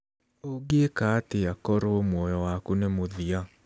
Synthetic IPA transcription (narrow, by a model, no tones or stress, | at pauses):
oɡekaːteakɔɾomwɔjɔwakunemoðia